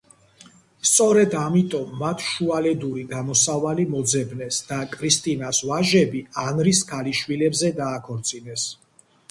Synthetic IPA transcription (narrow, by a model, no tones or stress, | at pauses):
st̪sʼɔɾɛd̪amit̪ʼɔmːat̪ʰʃualɛd̪uɾiɡamɔsavalimɔd̪zɛbnɛsd̪̥akʼɾist̪ʼinasvaʒɛbianɾiskʰaliʃwilɛbzɛd̪aːkʰɔɾt̪sʼinɛs